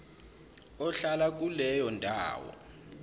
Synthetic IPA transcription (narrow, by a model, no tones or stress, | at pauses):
ɔɬalak̬ʼulɛjɔndʼʱa̰ːwɔ̰